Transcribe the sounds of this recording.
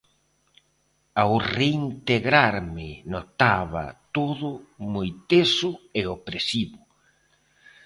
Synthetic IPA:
awreint̪eɣɾaɾmɪnot̪aβa̰t̪oðʊmojt̪esʊeopɾesiβʊ

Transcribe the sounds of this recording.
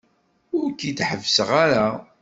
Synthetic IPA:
ʊɾkːit̪ħəvːsəʁaɾa

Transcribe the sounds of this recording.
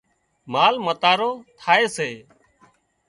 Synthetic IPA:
maːlmət̪aːɾoːt̪ʰaːeːseː

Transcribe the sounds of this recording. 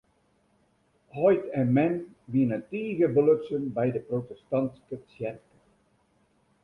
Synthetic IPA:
ɦɔjtɛnmɛn | ʋinəntiːɣəbəløtsənbɛjdəprowtɛstɑntskəsjɛrkə

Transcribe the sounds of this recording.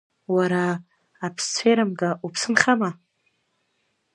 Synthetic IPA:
waɾaː | pʰst͡sʷʰejɾamɡaʔupʰsɨnχʲama

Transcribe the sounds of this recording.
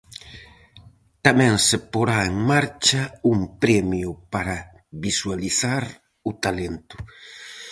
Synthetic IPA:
t̪amẽŋsepoɾaeŋmaɾt͡ʃaumpɾemjupaɾa | βiswaliθaɾ | ut̪alent̪ʊ̥

